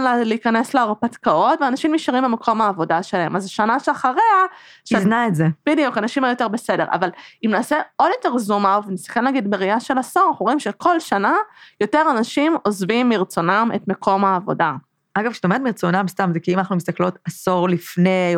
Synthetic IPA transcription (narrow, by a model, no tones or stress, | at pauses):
nleikanesleaʁpatkao̞tveanaʃimːiʃaʁimbemekʰo̞maːvo̞daʃelaɦemazʃanaʃeaχaʁeaʃiznaetzeb̥idijukanaʃimajo̞te̞ʁbese̞de̞ʁʔa̰valimnaːseo̞djo̞te̞ʁzumavenisi̥χemlaːɡidmeʁiaʃe̞lasoʁnaχuimʃeko̞lʃanajo̞teʁanaʃimo̞zvimːiʁt͡so̞namḛtmekʰo̞maːvo̞̰da | aɡavkʃe̥tomet̪miʁt͡sonamst̪amzekiimanaχnumist̪aklo̞tasoʁlifne